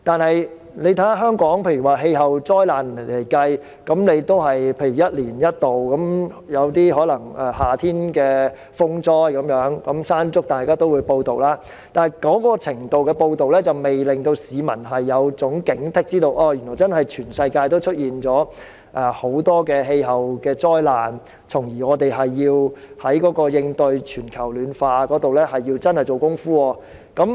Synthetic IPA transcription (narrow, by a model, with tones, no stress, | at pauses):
t̪aː˨nhɐ˨j | ne˨˧jt̪ʰɐ˨˥a˥ɦœː˥ŋkɔː˨˥ŋpʰeː˧jy˨˩waː˨˩ɦe˧jɦɐ˨wt͡sɔː˥jlaː˨˩n˨˩le˨˩jkɐ˧j | kɐ˨˥mne˨˧jt̪o˥wɦɐ˨jpʰeː˧jy˨˩jɐ˥t̚liː˨˩njɐ˥t̚t̪o˨wkɐ˨˥m | jɐ˨˧wt̪iː˥hɔː˨˥lɐ˨˩ŋɛː˨˩haː˨t̪ʰiː˥nkɛː˧ | fʊ˥ŋt͡sɔː˥jkɐ˨˥mjœː˨˥ŋkɐ˨˥msaː˥nt͡sʊ˥k̚t̪aː˨˩jkaː˥t̪o˥wu˨˧jpo˧wt̪o˨wlaː˥ | t̪aː˨n˨jkɔː˨˥kɔː˧t͡sʰɪ˨˩ŋt̪o˨˧wkɛː˧po˧wt̪o˨wlɛː˥t͡sɐ˨wme˨jlɪ˨ŋt̪o˧wsiː˨˧mɐ̰˨˩nɦɐ˨jːɐ˨˧wt͡sʊ˨˥ŋkɪ˨˥ŋt̪ʰɪ˥k̚t͡siː˥t̪o˧wʔɔː˧jy˨˩nːɔː˨˩jt͡sɐ˥nhɐ˨jt͡ʃʰyː˨˩nsɐ˧jkaː˧jt̪o˥wt͡ʃʰɵ˥t̚jiː˨nt͡sɔː˨˥ | ʔɛː˨˩ho˨˥wt̪ɔː˥kɛː˧ɦe˧jɦɐ˨wkɛː˧t͡sɔː˥jlaː˨˩n | t͡sʰʊ˨˩ŋjiː˨˩ŋɔː˨˧t̪e˨jɦɐ˨jːiː˧whɐ˨˥jkɔː˨˥kɔː˧jɪ˧ŋt̪ɵ˧ɥt͡ʃʰyː˨˩nkʰɐ˨˩wlyː˨˧nfaː˧kɔː˨˥t̪o˨wlɛː˥hɐ˨jːiː˧wt͡sɐ˥nhɐ˨˩jt͡so˨wkʊ˥ŋfuː˥ɔː˧ | kɐ˨˥m